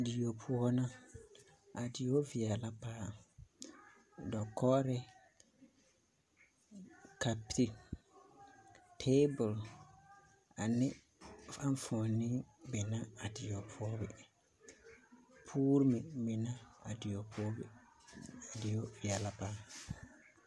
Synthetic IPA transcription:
di˨jo˨pʰʊ˦ɔ˦na˦ | a˨dɪ˨jo˦vi˨ɛ˨la˦paː˦˨ | dɔ˨kʰɔ˦ɾɪ˦ | ka˨pi˦ | tʰe˦bʊ˨l | a˨nɪ˦ | fa˦n˦fɔ˨nɪ˦bɪ˨na˦a˨dɪ˨jo˨pʰʊː˦bɪ˨ | pʰuː˦ɾɪ˦mɪ˨bɪ˨na˦a˨dɪ˨o˨pʰʊː˦b | di˨jo˦vi˨ɛ˨la˦paː˦

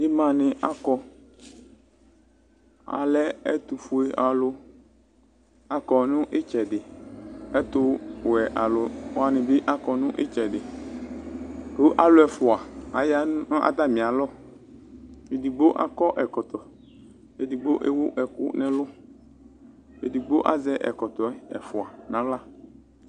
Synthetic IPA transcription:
ɪ˦mã˨nɪ̃˨ʔa˦kɔ˨ | a̰˨lɛ˦ɛ̰˦t̪u˨fʊ˨e˨ʔa˨lʊ˦ | a˨kɔ˨nʊ̃˦ʔɪ˦t͡ʃɛ˨dɪ˨ɛ˦t̪ʊ˦wɛ˨ʔa˨lʊ˨˦a˨nɪ̃˨bɪ˦ʔa˦kɔ˨nʊ̃˦ʔɪ˦t͡ʃɛ˨dɪ˨ | o˦ʔa˨lʊ˦ɛ˨fʊ˨a˨a˨ja˦ʔa̰˨t̪a˦mɪ̃˨a˨lɔ˦ | e˨di˨ɡ͡bo˦ʔa̰˨kɔ˦ʔɛ˨kɔ˨t̪ɔ˨ | e˨di˨ɡ͡bo˦ʔe˦wʊ˦ʔɛ˨kʊ˦nɪ̃˦lʊ˦ | e˨di˨ɡ͡bo˦ʔa˦zɛ˦ʔɛ̰˨kɔ˨t̪ɔ˨˦ɛ˨fʊ˨a˨nã˨˦la˦

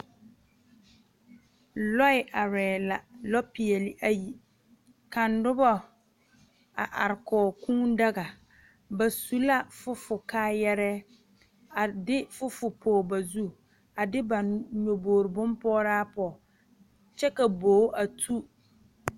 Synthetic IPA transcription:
lɔ˦ɪ˨ʔa˨ɾɛː˨la˨lɔ˦pɪ˨ɛ˨lɪ˨ʔa˨ji˨ | ka˨ndʊ˦bɔ˦ | a˨ʔa˨ɾɪ˨kɔː˨kũː˦nda˦ɡa˨ | ba˨su˨la˦fʊ˦fʊ˨kaː˦jɛ˦ɾɛ˦ | a˨dɪ˦fʊ˦fʊ˨pʰoː˨ba˨zu˦ | a˨dɪ˦bã˨nɲo˨boː˨ɾɪ˨bʊ̃˦mpɔː˦ɾaː˦pɔ˨ | t͡ʃɛ˦ka˨boː˨˦a˨tʰu˦

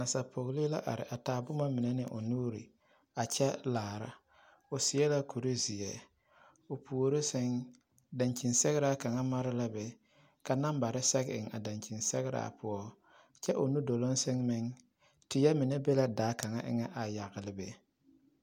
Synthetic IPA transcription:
na˨sa˨pʰo˨ɣli˦la˦ʔa̰˨ɾɪ̰˨ʔa˨taː˨˦bʊ˦ma˦mɪ˨nɛ˦nɪ˨ʔʊ̰˨nuː˦ɾḭ˨ | a˨t͡ʃɛ˦laː˨ɾa̰˦ | ʊ˨sɪ˨ɛ˦la˦ku˨ɾi˦zɪ˨jɛ˨ | o˨pʰu˨o˨ɾo˦sɪ˦ŋ | da˨nt͡ʃi˨nsɛ˦ɣɪ˦ɾa˦ka˨ŋa˦ma˦ɾɪ˦la˦bɛ˨ | ka˨na˦mba˨ɾɪ˦sɛ˦ɡɪ̰˨ŋa̰˨da˨nt͡ʃi˨nsɛ˦ɣɪ˦ɾa̰ː˦˨pʰʊ˦ɔ˦ | t͡ʃɛ˦ʔʊ˨nu˦do˨lo˦nsɪ˦ŋmɪ˦ŋ | tɪ˨jɛ˦mɪ˨nɛ˦be˦la˦daː˨˦ka˨ŋa˦ʔɪ̰˦ŋɛ˦ʔa˨ja˨ɣɪ˨lɪ˦bḛ˨

